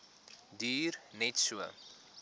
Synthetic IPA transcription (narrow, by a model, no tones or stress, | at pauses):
diːrnɛtsuə